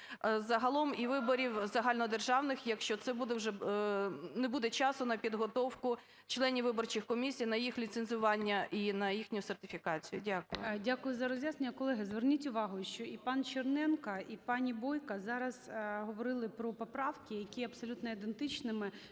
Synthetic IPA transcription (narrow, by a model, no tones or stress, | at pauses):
zɐɦɐlˠɔmiʋɪbɔɾʲiwzɐɦɑlʲnɔd̪erʒɑwnɪxjɐkʃt͡ʃɔt̪sɛbud̪ɛwʒɛ | nɛbud̪ɛt͡ʃɑsʊnɐpʲid̪ɦɔt̪ɔwkʊ | t͡ʃlˠɛnʲiʋɪbɔrt͡ʃixkɔmʲisʲijnɐjixlʲit̪senzʊʋɑnʲːɐʔinɐjixnʲʊjʊsɛrt̪ɪfʲikɑt͡sʲijʊ̰dʲakʊjʊdʲakʊjʊzɐɾɔzʲʋjasnenʲɐkɔlˠɛɦɪzʋernʲitʲʊʋɑɦʊʃt͡ʃɔipɑnt͡ʃɪrnɛnkɐipɑnʲibɔjkɐzɑɾɐzɦɔʋɔɾɪlˠɪpɾɔpɔpɾɑʋkʲɪjɐkʲiɐpsɔlʲut̪nɔid̪ent̪ɪt͡ʃnɪmɪ